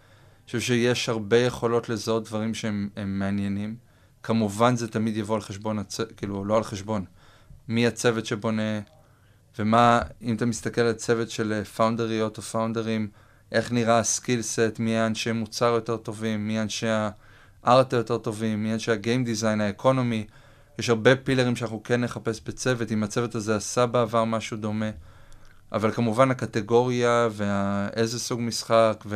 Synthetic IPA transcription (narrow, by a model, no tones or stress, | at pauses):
ʃuvʃeje̞ʃhaʁbe̞je̞χo̞lo̞tlezaot̚dvaʁimʃeememːeanje̞nim | kʰamuvanzetamidjavo̞alχeʃbo̞nat͡sekiːluolo̞alχe̞ʃbo̞n | miat͡se̞vetʃebo̞ne̞ | vemaimatamist̪ake̞lalt͡se̞vetʃe̞lefawndeʁijo̞tofaundeʁim | ʔe̞χniʁaskilse̞tmiaːnʃemut͡saʁjo̞te̞ʁt̪o̞vimːianʃea | ʔaʁt̪ejo̞te̞ʁt̪o̞vimːianʃeaɡejmd̪izajnaekʰo̞no̞mi | jeʃhaʁbe̞pileʁimʃeanaχnuke̞nːe̞χape̞sbet͡se̞ve̞timat͡se̞ve̞tazeasabeavaʁmaʃudo̞me̞ | ʔa̰valkamuvanhakate̞ɡo̞ʁjave̞aʔeze̞suɡmisχakve